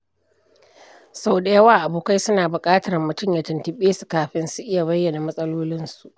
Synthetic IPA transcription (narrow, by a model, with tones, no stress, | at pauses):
sa˦wda˨jɐ˦waː˦˨ʔa˨buː˨ka˦jsʊ˦naː˨bʊ˨kʼaː˦tɐ˨ɾmːʊ˨tʊ˦mja˨tɪ˨ntɪ˨ɓeː˦su˨kaː˨ɸɪ˦nsu˦ʔɪ˦ja˨βɐ˦jːɐ˨na˨mɐ˦sʼɐ˦loː˦lɪ˦nsu˨ʔ